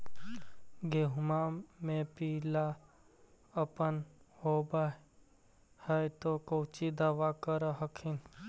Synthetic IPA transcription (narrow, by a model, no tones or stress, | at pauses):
ɡeɦʊmamẽpiːla | ɐpənhoːba | həjt̪okowt͡ʃid̪aʋaːkəɾɦəkʰin